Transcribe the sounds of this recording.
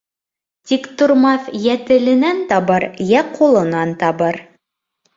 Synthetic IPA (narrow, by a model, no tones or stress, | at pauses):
t̪ikt̪ŏɾmɑθjæt̪ɘ̆lɘ̆nænt̪ɑβɤɾjæqʰulˠɤ̆nɑnt̪ɑβɤɾ